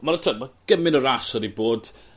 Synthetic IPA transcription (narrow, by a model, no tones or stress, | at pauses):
maɾatʰəmaɡ̥əmɪnɔɾasɔdiboːd̥